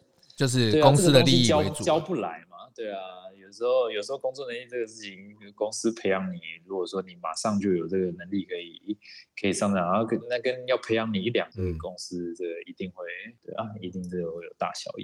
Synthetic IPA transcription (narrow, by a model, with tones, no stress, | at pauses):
tt͡ɕjo˥˧ʊʂ̬ɻ̩˥˩we˥˧ʊ˥ŋə˥ɡə˥d̪ə˨˥ŋlis̩˥t͡ɕjɑ˥ʊ˦˨t͡ɕjɑ˥ʊpu˥˩la˧˦ɪma˧t̪we˥˩ɪa˩jo˨˩ʊʂɻ̩˧˥xo˥˧ʊjo˨˩ʊʂ̩˧˥xo˥˩ʊkʊ˥ŋt͡swɔ˥˨nə˧˦nli˥˧˩ʈ͡ʂə˥˩ɡə˩ʂɻ̩˥˩t͡ɕʰi˧˦n˧kʊ˥ŋs̩˥pʰe˧˥ɪjɑ˧˩ŋni˨˩ɻu˧˥kwɔ˨˩swɔ˥ni˨˩ma̰˨˩ʂɑ˥˧ŋt͡ɕjo˥˩ʊjo˨˩ʊʈ͡ʂə˥˩ɡə˩nə˧˥ŋli˥˩kʰɤ˧˥i˨˩kʰə˧˥i˨˩ʂɑ˥˧ŋa˨˩a˥˩kə˥nna˥˩kə˦n˩jɑ˥˩ʊpʰe˧˥ɪjɑ˥˩ŋni˨˩i˥˩ljɑ̰˨˩ŋkə˧˩˥kʊ˥˦ŋs̩˥t͡sə˥˩ɡə˩i˧˦t̪i˥˧ŋxwe˥˩ɪt̪we˥˩ɪa˧˩i˧˥t̪i˥˧ŋ̩˥˩jo˥˩jo˨˩ʊt̪a̰˥˩ɕjɑ̰˨˩ʊjḭ˩˦